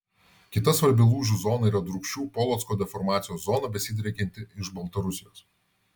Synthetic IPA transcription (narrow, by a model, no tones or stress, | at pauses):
kʲɪt̪ɐsʋɐɾʲbʲɪlˠuːʒuzɔːnɐiːɾɐd̪ɾʊkʃʲt͡ʃʲuːpɔːlˠɔːt̪skoːd̪ʲɛfɔɾmɑːt̪sʲɪjoːszɔːnɐbʲɛsʲɪd̪ʲɾʲɛkʲɛnʲt̪ʲɪɪʃbɐlˠt̪ɐɾʊsʲɪjoːs